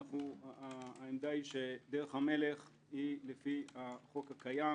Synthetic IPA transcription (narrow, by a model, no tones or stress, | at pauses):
χuaːemd̪aiʃed̪eʁeχhame̞le̞χ | hilefihaχo̞kakaja